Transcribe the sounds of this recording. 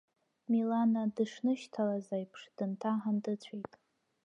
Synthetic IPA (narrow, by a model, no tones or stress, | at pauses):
milanadɨʂnɨʃtʰalazajpʰʂd̥ɨntʰaħandɨt͡ɕʷʰijtʼ